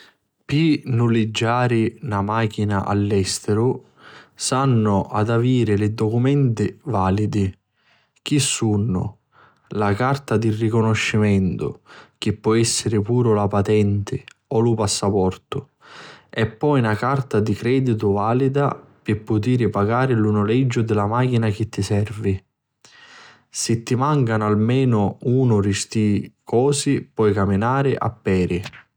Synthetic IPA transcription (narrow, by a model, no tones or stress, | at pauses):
pinːulid͡ʒːaːɾɪnamaːk̟inaʔa̰lːɛst̪ɪɾʊ | sanːʊʔad̪aviːɾɪlɪd̪ɔkumɛnt̪ɪvaːlid̪i | k̟isːunːʊ̰ | lakart̪ad̪irːikʊnoʃːimɛnt̪ʊ̰k̟ipːɔɛsːɪɾɪpuːɾʊlapat̪ɛnt̪ɪɔlupasːapɔrt̪ʊ | ɛpːɔjnakart̪ad̪ikɾɛːd̪it̪̬ʊvaːlid̪a̰pɪpːʊt̪iːɾɪpaɡaːɾɪlunʊlɛd͡ʒːʊd̪ɪlamaːk̟inak̟ɪt̪ːisɛrvi | sɪt̪ːimaŋkanalmɛːnʊuːnʊɾist̪ikɔːsipwɔjkamːinaːɾɪʔa̰pːɛːɾɪ